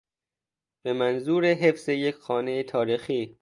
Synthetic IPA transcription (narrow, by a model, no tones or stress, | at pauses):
b̥e̞mænzuːɾeɦe̞fz̥ejekʰxɒːnejet̪ʰɒːɾiːxiː